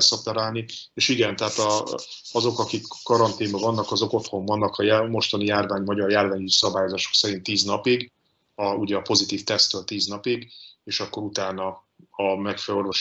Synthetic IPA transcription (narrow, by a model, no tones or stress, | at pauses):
sɒpɛɾaːlnieːʃiɡɛnt̪ɛɦaːt̪ɒ | ɒzo̞kɒkikːɒɾɒnt̪iːmbɒvɒnːɒkɒzo̞ko̞t̪ho̞ɱvɒnːɒkhɒjamo̞ʃt̪ɒnijaːrvaːɲmɒɟɒrjaːrvaːɲisɒbaːjo̞zaːʃo̞ksɛɾint̪ːiːznɒpiɡ | ɒuɟɛɒpo̞zit̪iːft̪ɛst̪øːlt̪iːznɒpiɡeːʃɒkːo̞ɾut̪aːnɒ | ɒmɛkfɛlo̞rvo̞ʃ